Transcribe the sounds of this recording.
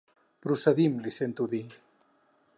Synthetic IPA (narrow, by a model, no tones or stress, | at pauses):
pɾusəðimlisent̪uði